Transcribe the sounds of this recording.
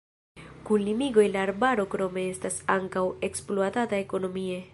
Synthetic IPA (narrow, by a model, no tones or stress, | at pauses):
kunlimiɡo̞jlaːɾbaɾo̞kɾo̞me̞e̞stasaŋkawe̞ksploatatae̞ko̞no̞mie̞